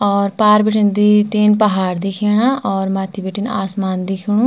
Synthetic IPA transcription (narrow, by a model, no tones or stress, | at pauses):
ɔːɾpaːɾbiʈind̪it̪eːnpɐɦaːɽd̪ikʰeːɽ̃aɔːɾmaːt̪ʰibiʈina̰ːsmaːnd̪ɪkʰɽ̃ũ